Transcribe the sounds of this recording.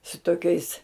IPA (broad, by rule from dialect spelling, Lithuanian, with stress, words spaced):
sʊ toːˈkʲɛɪs